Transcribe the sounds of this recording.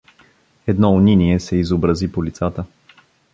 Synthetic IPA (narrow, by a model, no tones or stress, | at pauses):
ɛd̪nɔʊniniɛsɛizobɾəzipolit̪sat̪ə